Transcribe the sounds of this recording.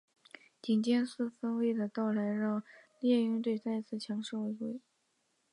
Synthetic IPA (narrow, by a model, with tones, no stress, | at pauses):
t͡ɕi˨˩nt͡ɕjɛ˥˧nsɹ̩˥˩fə˥nwe˥ɪd̪ə˨t̪ɑ˥˩ʊla˧˥ɪɻɑ˥˧ŋljɛ˥˧y˥˧t̪we˥˧ɪt͡sa˥˧ɪt͡sʰɹ̩˥˩t͡ɕʰjɑ˧˥ŋʂo˥˧ʊwe˥ɪxwe˥˩ɪ